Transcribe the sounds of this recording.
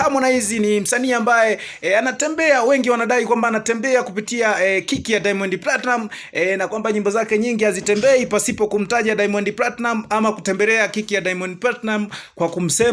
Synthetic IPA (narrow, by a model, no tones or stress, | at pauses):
hamɔnaizinim̩saniːambajɛ | anatɛmbɛawɛŋɡiwanaɗaikwambaːnatɛmbɛakupitiakikijaɗaimɔndiplatnam̩ | ɛnakwambaɲimbɔzakɛɲiŋɡihazitɛmbɛipasipɔkum̩taʄaɗaimɔndiplatnamamakutɛmbɛlɛakikijaɗajmɔndiplatnam̩kwakum̩sɛ